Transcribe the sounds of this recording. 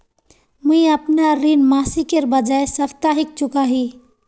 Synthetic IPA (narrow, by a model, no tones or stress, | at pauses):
muĩəpnaɾinmasikeɾbəd͡ʒaesəpʰt̪aɦik̚t͡ʃukaɦi